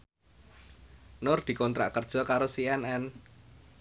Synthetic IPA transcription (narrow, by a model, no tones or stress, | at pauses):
nʊrd̪̥i̤kɔnt̪ɾa̰ʔkərd̥ʒ̥ɔ̤kaɾosiɛnɛn